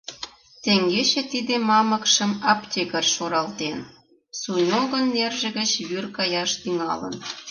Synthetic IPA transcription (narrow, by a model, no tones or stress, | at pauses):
t̪eŋɡeʃet̪id̪emɑmə̆kʃə̆mɑpt̪ʲeɣərʃoɾɑlt̪en | sunʲoɣə̆nːerʒĕɣə̆t͡ɕβyrkɑjɑʃt̪yŋɑ̰lə̰n